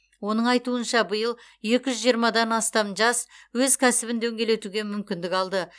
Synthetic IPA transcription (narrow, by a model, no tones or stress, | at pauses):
wo̞nəɴɑjt̪uənʃɑbəjəlˠ | je̞kʲɪʒʏzʒijəɾmɑd̪ɑnɑst̪ɑmʒɑswɵzkʲʰæsɪbɪnd̪ɵŋɡʲe̞le̞t̪uɡʲe̞mʏmkʲɪnd̪ɪkɑlˠd̪ə